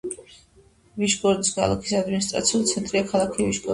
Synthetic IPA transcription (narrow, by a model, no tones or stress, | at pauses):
viʃɡʼɔɾd̪isɡa̰lˠa̰kʰi̥sad̪minis̬t̪ʼɾa̰t̪sʰiulˠt̪sʰɛnt̪ʼɾiakʰalˠakʰiviʃɡɔ